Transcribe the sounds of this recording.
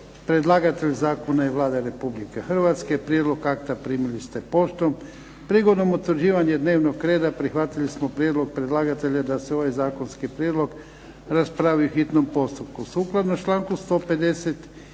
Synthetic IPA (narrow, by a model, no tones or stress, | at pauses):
pɾe̞d̪lˠaːɡat̪eʎzaːkonaiʋlˠaːd̪aɾe̞publikexr̩ʋat̪skepɾjed̪lo̞ɡakt̪apɾiːmilist̪epo̞ʃt̪om | pɾiɡo̞d̪nomut̪əɾʒiːʋaɲed̪ne̞ːʋnoɡkɾeːd̪apɾixʋat̪ilismopɾjed̪lo̞ɡ̚pɾed̪lˠaɡat̪e̞ʎad̪aseo̞ʋajzaːkonskipɾjed̪lo̞ɡ | ɾaspɾaʋiuxit̪nompo̞st̪upkusuːklˠad̪not͡ʃlˠaːŋkust̪o̞ːpe̞d̪eset̪